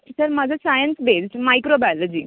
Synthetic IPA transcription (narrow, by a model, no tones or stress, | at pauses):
səɾmad͡zʱasajənsbesʈmajkɾobaləd͡ʑiː